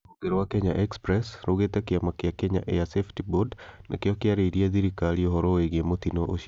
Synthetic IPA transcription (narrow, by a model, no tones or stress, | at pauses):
oɡeɾowakɛɲaʔɛkspɾɛsɾoɡet̪akiamakeakɛɲa̰ʔeaseftibodnʔa̰keɔkɪaɾeidiad̪iɾikaliɔɦɔɾoeɡeamot̪inoʔoʃ